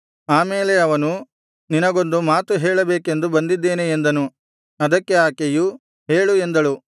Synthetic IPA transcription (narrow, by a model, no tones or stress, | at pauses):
aːmeːle̞ɐʋɐnu | ninɐɡo̞nd̪umaːt̪uɦeːɭɐbeːke̞nd̪ubɐnd̪id̪ːe̞ːneend̪ɐnu | ɐd̪ɐkːe̞aːkeju | ɦeːɭue̞nd̪ɐɭu